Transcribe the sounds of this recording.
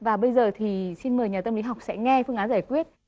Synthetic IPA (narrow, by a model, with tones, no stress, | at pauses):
vaː˨˩ɓə˧jzəː˨˩t̪ʰi˨˩si˧nməː˨˩jɲaː˨˩t̪ə˧mli˨˦ɦa˨˩wk͡p̚sɛ̰˧˥ŋɛ˧fɨ˧əŋaː˨˦zaː˧˩jkwi˦˥ət̚